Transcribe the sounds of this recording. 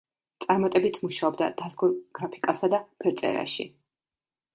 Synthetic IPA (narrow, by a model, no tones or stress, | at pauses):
t̪sʼaɾmat̪ʼɛbit̪ʰmuʃaɔbd̪a̰d̪̥azɡuɾɡ̥ɾapʰi̥kʼasad̪apʰɛɾt̪sʼɛ̰ɾa̰ʃḭ